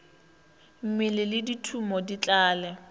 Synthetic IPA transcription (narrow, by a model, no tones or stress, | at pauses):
m̩mɪlɪlɪditʰumɔdit͡ɬʼaːlɛ